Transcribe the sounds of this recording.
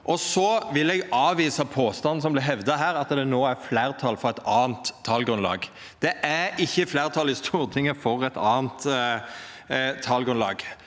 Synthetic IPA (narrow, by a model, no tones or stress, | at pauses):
ʔɔsɔʋɪlɛɡɑːʋiːsɑpʰoːst̪ɑn̩sɔmblɪɦɛʋd̪ɑɦæːɾɑt̪d̪ɛnoːæɾflæːʁt̪ʰɑlfɔʁɛɪt̪ɑːnt̪ʰːɑlɡʁʉnlɑ̰ːɡ | d̪̥ɛʔæɾɪçːəflæːɾt̪ʰɑlɪst̪ʰuːɾt̪ʰɪŋːəfɔʁɛt̪ɑːnt̪ | t̪ʰːɑlɡɾʉnlɑ̰ːɡ